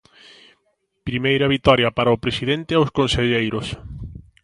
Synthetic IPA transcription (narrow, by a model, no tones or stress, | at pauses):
pɾimejɾɐβit̪ɔɾjɐpaɾaopɾesiðent̪ɪawskõnseʎejɾos